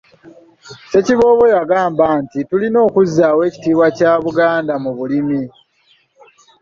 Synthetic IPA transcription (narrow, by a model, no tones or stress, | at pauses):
se̞ciβo̞ːβo̞jaɡaːmbaːntitulino̞ːkuzːaːwe̞ːci̥tiːβwacaːβuɡaːndamuβulimi